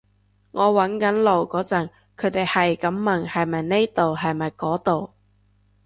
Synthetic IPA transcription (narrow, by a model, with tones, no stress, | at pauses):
ŋɔː˨˧wɐ˨˥nkɐ˨˥nlo˨˩wkɔː˨˥t͡sɐ˨˩ŋ | kʰɵ˨˧˥t̪e˨jhɐ˨jkɐ˨˥mːɐ˨˩ŋhɐ˨jmɐ˨jne˥jt̪o˨wɦɐ˨jmɐ˨jkɔː˨˥t̪o˨w